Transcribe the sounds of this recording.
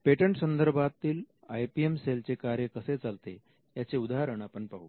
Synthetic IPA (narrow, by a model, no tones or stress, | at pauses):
peʈəɳʈsənd̪əɾbʱat̪ːiːl | ajpiemselt͡sekaɾjəkəset͡salt̪e | jat͡seud̪aɦɾəɳapəɳpaɦṵ